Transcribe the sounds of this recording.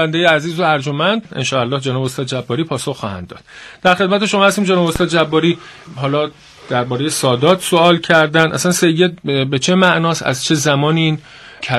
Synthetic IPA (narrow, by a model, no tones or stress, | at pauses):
ænd̪ejeæziːzoæɾd͡ʒomænd̪enʃɒːælːɒːhd͡ʒenɒːbost̪ɒːd̪̚d͡ʒæbːɒːɾiːpʰɒːsoxːɒːhæ̰nd̪ːɒ̰ːd̪̥d̪̥æɾxemæt̪eʃo̞mɒːhæst̪iːmd͡ʒenɒbost̪ɒːd̪̚d͡ʒæbːɒːɾiːɦɒːlɒː | d̪̥æɾbɒːɾejesɒːd̪ɒːt̪ʰso̞ɒːlcʰæɾd̪ænd̪ʔæ̰sænse̞jːe̞d̪̚bet͡ʃʰemæʔnɒːsæ̰zt͡ʃʰe̞zæmɒːniiːn | cʰæ